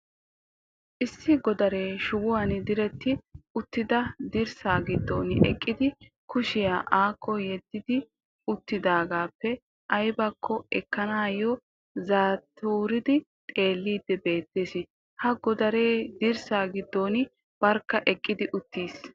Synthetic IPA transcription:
ʔɪsːɪɡɔd̪ɐɾe̞ːʃʊwʊwɐnd̪ɪɾɛt̪ːɪʊt̪ːɪd̪ɐd̪ɪɾsaːɡɪd̪ːo̰ːnɪʔɛ̰kʼːɪd̪ɪ | kʊʃɪjaːʔaːkʰːɔjɛd̪ːɪd̪ɪ | ʊt̪ːɪd̪aːɡaːpːɛ | ʔɐjbɐkʰːɔɛkːɐnaːjɔ | zaːt̪ʰuːɾɪd̪ɪ | t̪ʼe̞ːlːiːd̪ːɛbe̞ːt̪ːeːsɪ | hɐɡɔd̪ɐɾe̞ːd̪ɪɾsaːɡɪd̪ːonɪ | b̥ɐɾkːɐʔɛkʼːɪd̪ɪʔʊt̪ːiːs

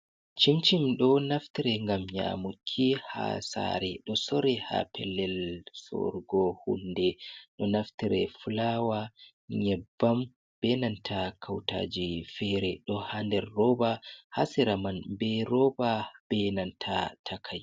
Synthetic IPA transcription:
t͡ʃimt͡ʃimɗɔnaftiɾɛŋɡamɲa̰mukʰːiha̰sa̰ɾɛɗɔsɔɾɛha̰pʰɛlːɛlsɔ̰ɾɡɔhundɛɗɔnaftiɾɛfulawa | ɲɛbːam | b̥ɛnantʰakʰawta̰d͡ʒifɛɾɛɗɔhandɛɾːɔbaha̰siɾamanbɛɾɔbab̥ɛnantʰatʰakʰaj

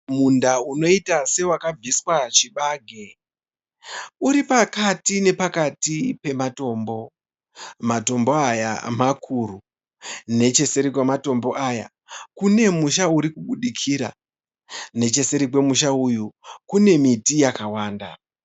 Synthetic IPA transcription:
mundauno̞itase̞wakab͡vʱiswat͡ʃiɓaːɡʱe | uɾipakatine̞pakatipe̞mato̞ːmbo̞ | mato̞mbo̞aja̰makʰuru | ne̞t͡ʃe̞se̞ɾik̬wemato̞mbo̞ʔaja̰ | kune̞muʃauɾikuɓuɗikʰiːɾa̰ | ne̞t͡ʃe̞se̞ɾik̬we̞muʃaujukune̞mitijakawaːnda̰

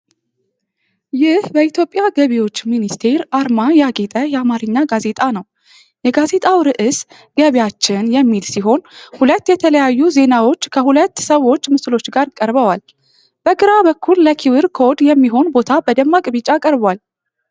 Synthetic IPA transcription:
jɪhbəit̪ʰjo̞pʼjaɡəβiwo̞t͡ʃːminist̪ʰe̞ɾʔaɾmajaɡet̪ʼəjɛamaɾɨɲːaɡaze̞t̪ʼanəw | jɛɡaze̞t̪ʼawɾɨʔɨs | ɡ̥əβjat͡ʃːɪnjɛmːilsiɦo̞nhulət̪ːjɛt̪ʰələjajːuze̞nawo̞t͡ʃːkʰəhulət̪ːsəwo̞t͡ʃːmɨslo̞t͡ʃːɡaɾkʼəɾbəwal | b̥əɡɨɾabəkʰːulːəkʰiwɨɾkʰo̞d̪jɛmːiɦo̞nbo̞t̪ʰabəd̪əmːakʼɨβɨt͡ʃʼakʼəɾbwal

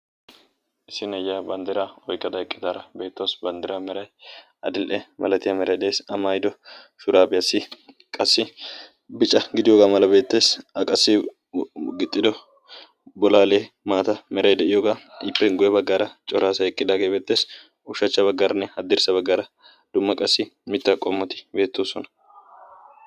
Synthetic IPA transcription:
ʔɪsɪnɛjːaːbɐnd̪ɪɾaːɔjkːɐd̪ɐɪkʼːɪd̪aːɾɐbe̞ːt̪ːoːsbɐnd̪ɪɾaːmɛɾɐj | ɐd̪ɪlʔɛmɐ̰lɐt̪ɪjɐmɛɾɐjd̪ɛeːsɐmaːjd̪ɔ | ʃʊɾaːbɪjɐsːɪ | kʼɐsːɪ | bɪt͡ʃʼːɐɡɪd̪ɪjoːɡaːmɐlɐbe̞ːt̪ːe̞ːsɐkʼɐsːɪ | ɡɪt̪ʼːɪd̪ɔ | bɔlaːle̞ː | maːt̪ɐmɛɾɐjd̪ɛʔɪjoɡaɪpːɛɡʊjɛbɐɡːaːɾɐt͡ʃʼɔɾaːsɐɛkʼːɪd̪aːɡeːbe̞ːt̪ːe̞ːs | ʊʃɐt͡ʃːɐbɐɡːaɾɐnːɛɐd̪ːɪɾsɐbɐɡːaːɾɐ | d̪̥ʊmːɐkʼɐsːɪmɪt̪ːɐkʼɔmːɔt̪ɪ̥be̞ːt̪ːoːsɔnɐ̥

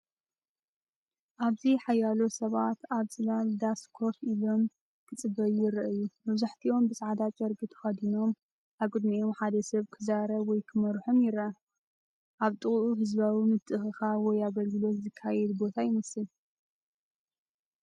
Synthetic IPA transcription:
ʔaβziħajalo̞sɐβat̪aβsɨlald̪askʰo̞filo̞m | kʰɨt͡sʼɨbɐjɪɾɐʔɨjumɐβzaħt̪ʰio̞mbɨsʼʕad̪at͡ʃʼɐɾɡɨt̪ʰɨ̥xɐd̪ino̞m | ʔaβkʼɨd̪mijomħad̪ɐsɐβkʰɨzaɾɐβwɔjkʰɨmɐɾħomjɪɾɐ | ʔaβt̪ʼɨχʼʔuɦɨzbawimɨt̪ʼːɨxɨxawɔjaɡɐlɡɨlo̞t̪zɨkʰːajɛd̪bo̞t̪ʰajɪmɐsɨl

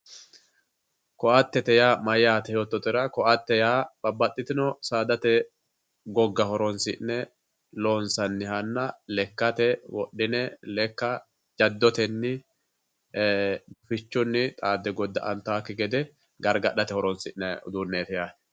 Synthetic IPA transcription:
kɔʔɐt̪ːɛt̪ɛjaːmɐjːaːt̪ɛjoːt̪ːɔt̪ːɪɾɐkɔʔɐt̪ːɛjaːbɐbːɐt̪ʼːɪt̪ɪnɔsaːd̪ɐt̪ɛ | ɡɔɡːɐhɔɾɔnsɪʔnɛ | loːnsɐnːɪhɐnːɐlɛkːɐt̪ɛwɔ̰ɗɪnɛlɛkːɐ | d͡ʒɐd̪ːɔt̪ɛnːɪ | fɪt͡ʃːʊnːɪt̪ʼaːd̪ːɛɡɔd̪ːɐʔɐnt̪ːaːkːɪɡɛd̪ɛ | ɡɐɾɡɐᶑɐt̪ɛhɔɾɔnsɪnɛʊd̪uːnːeːt̪ɛjaː

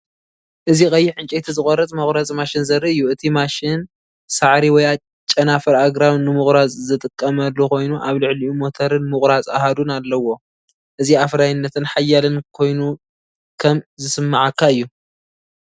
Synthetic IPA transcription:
ʔɨzixʼɐjːɪħɨnt͡ʃʼet̪ʰizɨkʼoɾɐt͡sʼmɐxʼɾat͡sʼmaʃɪnzɐrːiɨjːuɨt̪ʰimaʃɪn | saʕɾiwɔja | t͡ʃʼɐnafɐɾaɡɾawnɨmɨxʼɾat͡sʼzɨt̪ʼɨkʼːɐmɐlːuko̞jnuʔaβlɨʕliumo̞t̪ʰɐɾɨnmɨkʼɾat͡sʼa̰had̪unalːɐwo̞ | ʔɨziafɾajɪnːɐt̪ʰɨnħajːalɨnkʰo̞jnu | kʰɐmzɨsɨmːaʕakːaɨjːu

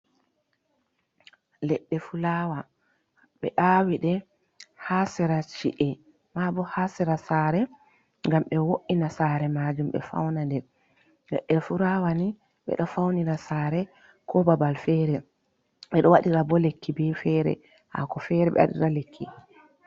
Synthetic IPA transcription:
lɛɗːɛfulawa | ɓɛ̰ʔawiɗɛ | hasɛɾat͡ʃḭʔɛ | mabɔhasɛɾasaɾɛ | ŋɡamɓɛwoʔinasaɾɛmad͡ʒumɓɛ̰fa̰wnandɛ | lɛ̰ɗːɛfuɾawani | ɓɛ̰ɗɔfawniɾasaːɾɛ | kʰɔbabalfɛːɾɛ | ɓɛɗɔwaɗiɾabɔlekʰːibɛfɛɾɛ̰ | ha̰kɔfɛɾɛɓɛ̰wa̰ɗḭɾalekʰːi

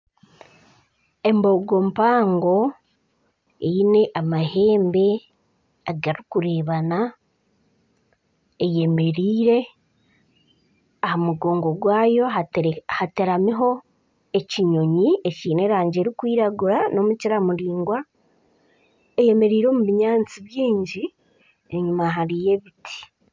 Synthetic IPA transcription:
e̞mbo̞ɡompaːŋɡo̞ | eine̞ʔamahe̞ːmbe̞ | aɡaɾikuɾe̞ːβana | eje̞me̞ɾiːɾe̞ | ahamuɡo̞ːŋɡo̞ɡwaːjo̞atehateɾamiɦo̞ | eciɲo̞ɲieciːne̞ɾaːɲɟe̞ːɾikwiːɾaɡuɾano̞muciɾamuɾiːŋɡwa | eje̞me̞ɾiːɾo̞ːmuβiɲaːnt͡siβjiːɲɟi | eɲumaɦaɾije̞βitʰi̥

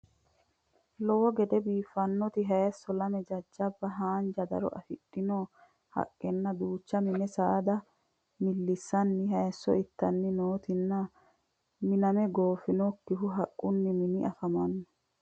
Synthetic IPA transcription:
lɔwɔɡɛd̪ɛbiːfːɐnːɔt̪ɪɦɐjɛsːɔlɐmɛd͡ʒɐd͡ʒːɐbːɐɦaːnd͡ʒɐd̪ɐ̰ɾɔ̰ʔɐ̰fɪɗːɪnoː | hɐ̰kʼːɛnːɐd̪uːt͡ʃːɐmɪnɛsaːd̪ɐ | mɪlːɪsːɐnːɪɦɐjsːɔ̰ɪt̪ːɐnːɪnoːt̪ɪnːɐ | mɪnɐmɛɡoːfɪnokːɪɦʊɦɐkʼːʊnːɪmɪnɪʔɐfɐmɐnːɔ

